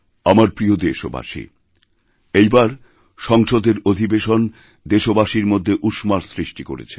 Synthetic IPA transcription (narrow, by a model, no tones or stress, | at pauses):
amaɾpɾiod̪eʃo̰ba̰ʃḭ | ejbaɾ | ʃɔŋʃod̪eɾod̪ʱibeʃon | d̪eʃobaʃiɾmod̪ʱːeʔuʃmaɾsɾiʃʈiko̰ɾḛt͡ɕʰe̥